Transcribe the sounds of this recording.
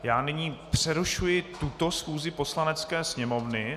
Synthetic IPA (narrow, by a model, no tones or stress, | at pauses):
jaːnɪɲiːpr̝̥ɛɾuʃujɪt̪ut̪o̞sxuːzɪpo̞slanɛt͡skɛːsɲɛmo̞vnɪ